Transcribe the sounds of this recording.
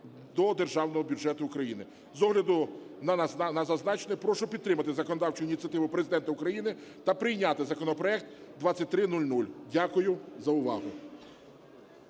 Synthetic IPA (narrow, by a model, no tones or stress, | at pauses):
d̪ɔd̪erʒɑwnɔɦɔbʲʊʒɛt̪ʊʊkɾɐjinɪ | zɔɦlʲɐd̪ʊnɐnɐzɐznɑt͡ʃenepɾɔʃʊpʲid̪t̪ːɾɪmɐt̪ɪzɐkɔnɔd̪ɑwt͡ʃʊinʲit̪t͡sʲiɐt̪ɪʋʊpɾezɪd̪ɛnt̪ɐʊkɾɐjinɪt̪ɐpɾɪjnʲat̪ɪzɐkɔnɔpɾɔɛk̚t̪d̪ʋɑt͡sʲːɐt̚ʲt̪ɾɪnulʲnulʲdʲakʊjʊzɐʊʋɑ̰ɦʊ